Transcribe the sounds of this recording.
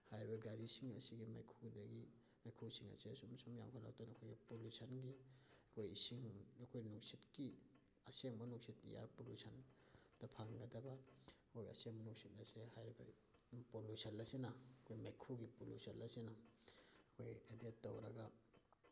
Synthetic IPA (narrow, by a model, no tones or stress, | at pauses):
hajɾibɐɡadisiŋɐ̰siɡimajkʰudɐɡi | majkʰusiŋɐ̰siɐ̰sumsumja̰mkʰala̰wtonɐkʰojɡipolusɐnɡiɐkʰojisiŋɐkʰojnuŋsitki | ɐseŋmɐnuŋsitḭja̰ɾpolusʰɐn | d̥ɐpʰaŋɡɐdɐbɐɐkʰojɡiɐ̰seŋmɐnuŋsit̚ɐsehajɾibɐ̰ | polusɐnɐsenɐɐkʰojmakʰuɡipolusɐlɐsinɐ | ɐkʰojedetːowɾɐɡɐ